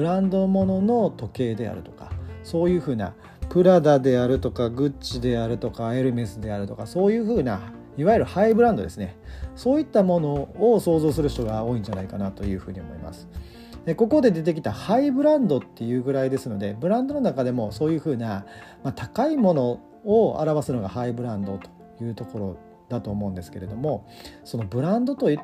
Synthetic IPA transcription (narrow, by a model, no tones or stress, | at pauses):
bɯ̟ɾãnd̪o̞mo̞no̞no̞t̪o̞ke̞ːd̪e̞a̰ɾɯ̟t̪o̞̥kḁso̞ːjɯ̟ːɸɯ̟ːna̰ | pɯ̟ɾad̪ad̪e̞aɾɯ̟t̪o̞kaɡɯ̟t͡ɕɕid̪e̞aɾɯ̟t̪o̞kae̞ɾɯ̟me̞sɨd̪e̞aɾɯ̟t̪o̞kaso̞ːjɯ̟ːɸɯ̟ːna̰ | iβajiɯɾɯ̟haibɯ̟ɾãnd̪o̞d̪e̞sɨneso̞ːit̪ːamo̞no̞ːso̞ːzo̞ːsɨɾɯ̟çi̥t̪o̞ɡao̞ːĩɲ̟d͡ʑanaikanat̪o̞jɯ̟ːɸɯ̟ːɲ̟io̞̰mo̞̰ḭma̰sɨ̥ | d̪eko̞ko̞d̪e̞d̪e̞t̪e̞kʲi̥t̪ahaibɯ̟ɾãnd̪o̞t̪ːe̞jɯ̟ːɡɯ̟ɾaid̪e̞sɨno̞d̪e̞bɯ̟ɾãnd̪o̞no̞nakad̪e̞mo̞so̞ːjɯ̟ːɸɯ̟ːnamat̪akaimo̞no̞ | oa̰ɾaβasɨno̞ɡahaibɯ̟ɾãnd̪o̞t̪o̥ | jɯ̟ːt̪o̞ko̞ɾo̞ | d̪̥at̪o̞ːmõ̞̟ːnd̪esɨ̥ke̞ɾe̞d̪o̞mo̞ | so̞no̞bɯ̟ɾãnd̪o̞t̪o̞